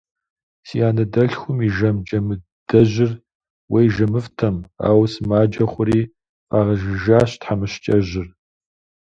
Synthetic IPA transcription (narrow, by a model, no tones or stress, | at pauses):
sijaːnɐdɐɬxʷʊmiʒɐmd͡ʒʼɐmɨ | d̥ɐʑɪr | wʔejʒɐmɨftʰɐma̰ːwsmaːd͡ʒɐχʷʊɾiː | aːʁɐʒɪʒaːɕtħamɨɕt͡ʃʼɐʑɪr